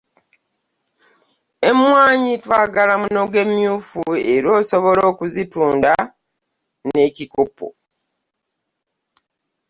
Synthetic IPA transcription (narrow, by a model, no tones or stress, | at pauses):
e̞mwaːɲitwaːɡalamuno̞ɡe̞mjuːfue̞ɾo̞ːso̞βo̞lo̞ːkuzituːnda | ne̞cikopo̞̰